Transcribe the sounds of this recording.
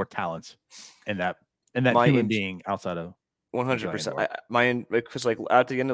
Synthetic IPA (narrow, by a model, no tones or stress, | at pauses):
ə˞tʰælˠə̃nts | ɨ̃nðɨt̚ | ɨ̃nðɨtmahaɪʉmɨ̃nbiɪ̃ŋaʊtsaɪɾʌv̥ | wʌ̃nɦʌ̃ndɹɨpʰə˞sɛ̰̃ta̰ɪmaɪɛ̃nmaɪkʰɨzlaɪklət̪̚ðiɛ̃ndʌ